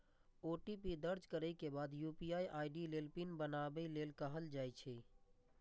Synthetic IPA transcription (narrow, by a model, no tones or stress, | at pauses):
oːʈipid̪əɾd͡ʒkəɾəkebaːd̪juːpijaːiʔaːɪɖileːlpinbənabəileːlkəɦəld͡ʒaːit͡ʃʰɛ